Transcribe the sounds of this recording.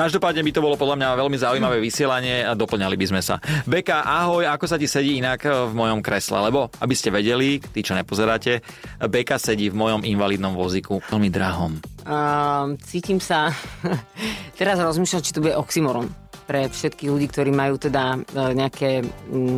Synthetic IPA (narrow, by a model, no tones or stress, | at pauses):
kaʒd̪ɔpaːd̪ɲɛbit̪ɔbɔlɔpɔd̪lamɲaʋɛlmizaujmaʋɛːʋisɪɛlaɲɪɛad̪ɔpl̩ɲalibizmɛsa̰bɛkaʔaɦɔjakɔsacisɛɟiːinakvmɔjɔmkɾɛslɛ̰lɛbɔa̰biscɛʋɛɟɛlit̪it͡ʃɔɲɛpɔzɛɾaːcɛ | bɛkasɛɟiːvmɔjɔminʋaliːd̪nɔmʋɔzikuɛlmid̪ɾaɦɔm | t͡siːcimsa | t̪ɛɾazɾɔzmiːʃlat͡ʃi̥t̪ɔbuɟɛʔɔksimɔɾɔm | pɾɛfʃɛt̪kiɣluɟiːk̚t̪ɔɾiːmajuːt̪ɛd̪aɲɛakɛː